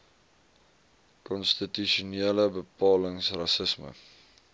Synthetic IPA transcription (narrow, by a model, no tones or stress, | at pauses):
kɔnstityʃuniələbəpɑːləŋsrɐsəsmə̰